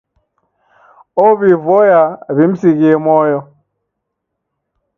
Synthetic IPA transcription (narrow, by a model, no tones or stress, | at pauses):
oβivɔjaβim̩siɣiemɔjɔ